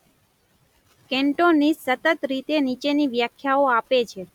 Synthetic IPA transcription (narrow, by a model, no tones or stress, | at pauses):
kɛɳʈonisət̪ət̪ɾit̪enit͡ʃeniʋjakʰjaoapet͡ʃʰe